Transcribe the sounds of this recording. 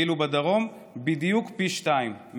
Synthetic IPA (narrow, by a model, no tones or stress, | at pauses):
ilubad̪aʁo̞m | bid̪jukpiʃtaimː